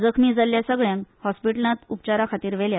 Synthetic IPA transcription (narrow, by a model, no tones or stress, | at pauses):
d͡zəkʰmiːd͡zaljasəɡɭjãnhɔspiʈəlnat̪up̚t͡ɕaɾakʰat̪iːɾʋɛlja